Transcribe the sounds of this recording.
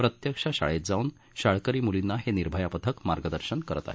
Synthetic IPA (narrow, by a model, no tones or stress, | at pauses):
pɾət̪jəkʂaɕa̰ɭet̪̚d͡zauːn | ɕaɭkəɾiːmulinːaɦeniɾbʱəjapət̪ʰəkmaɾɡəd̪əɾɕənkəɾət̪a̰ɦe